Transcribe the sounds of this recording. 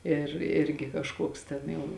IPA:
ɪr ˈɪrʲɡʲɪ kɐʃˈkuɔks ˈtʲɛn jɛʊ

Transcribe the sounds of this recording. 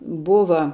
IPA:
ˈbʊʋɐ

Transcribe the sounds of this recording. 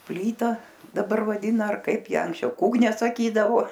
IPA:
ˈpʲlʲiːtɐ dɐˈbɐr ʋɐˈdʲɪnɐ ɐr ˈkɐɪp ˈjæː ɐŋksʲˈt͡ʃʲɛʊ ˈkuːknʲɛ sɐˈkʲiːdɐʋoː

